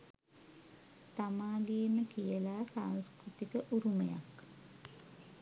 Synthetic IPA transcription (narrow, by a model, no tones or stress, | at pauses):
t̪amaːɡeːməkijəlaːsaːnskrut̪ikəʔuɾuməja̰k